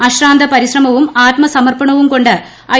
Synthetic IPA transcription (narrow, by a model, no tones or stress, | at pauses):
ɐɕraːnd̪ʱɐpɐɾiɕrɐmɐʋumaːt̪mɐsɐmɐrpɐɳɐʋumko̞ɳɖɨ | ɐ